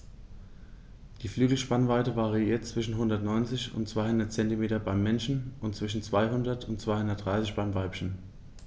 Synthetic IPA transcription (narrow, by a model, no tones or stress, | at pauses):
d̥iːflyːɡl̩ʃpanvaɪtəvaːʁiiːɐt̚t͡sv̥ɪʃn̩ɦʊndɐtnɔʏnt͡sɪçʊ̰ntt͡sv̥aɪhʊndɐt̚t͡sɛntimeːtɐbaɪmːɛnʃn̩ʊntt͡sv̥ɪʃn̩t͡sv̥aɪɦʊndɐtʰʊntt͡sv̥aɪhʊndɐtd̥ʁaɪsɪçb̥aɪmvaɪpçən̩